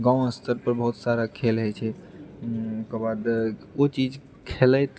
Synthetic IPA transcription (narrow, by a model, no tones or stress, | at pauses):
ɡãw̃əst̪ʰəɾpəɾbəɦut̪saɾakʰelɦəjt͡ʃʰɛ | okəbad̪ot͡ʃid͡ʒ | kʰelət̪